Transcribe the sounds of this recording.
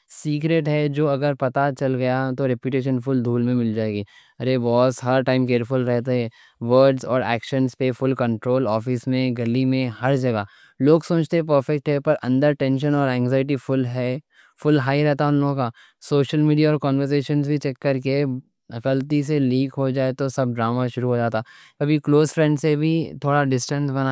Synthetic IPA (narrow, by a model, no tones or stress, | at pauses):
siːk̬ɾeʈɦɛd͡ʒoːɐɡəɾpɐt̪at͡ʃɐlɡɐjat̪oɾɛpjuʈeːʃ̬ənfʊld̪ʱuːlmẽmɪld͡ʒaːeːɡiː | ɐɾebɔːsɦɐɾʈaːɪmk̬eːɾfʊlɾɛɦt̪eɦɛ̃ː | ʋəɾɖzɔːɾɛ̰ːkʃənspefʊlkɐ̃ɳʈɾoːlɔːfɪsmẽɡɐlimẽhɐɾd͡ʒɐɡa | loːɡsõːt͡ʃt̪eɦɛ̃p̬əɾfɛk̚ʈɦɛpɐɾʔɐ̃nd̪əɾʈɛ̃ːnʃənɔːɾɛ̃ːŋɡzaːɪʈ̬ifʊlɦɛ | fʊlɦaːiɾɛɦt̪aɦɛʊ̃nloːɡõkaː | soːʃəlmiːɖijaɔːɾkɔːnʋəɾs̬eːʃənzbʱit͡ʃɛkːɐɾke | ɐkəlt̪is̬eliːkɦod͡ʒaːet̪osɐb̚ɖɾaːmaʃʊɾuɦod͡ʒaːt̪a | kɐbʱikloːzfɾɛ̃ɳɖsebʱit̪ʰoːɽaɖɪsʈə̃nsbɐna